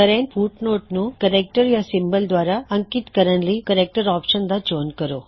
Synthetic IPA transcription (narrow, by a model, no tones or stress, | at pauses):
kɐɾenfʰuːʈnoːʈnukɐɾek̚ʈɐɾjasimbɐld̪ʋaːɾaɐŋkit̪kɐɾɐnlikɐɾek̚ʈɐɾaːpʃɐnd̪ɐd͡ʒoːnkɐɾoː